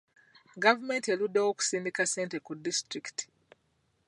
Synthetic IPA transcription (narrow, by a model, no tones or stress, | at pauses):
ɡavume̞ntieludːewoku̥siːmbikase̞ːntekudistɾikti̥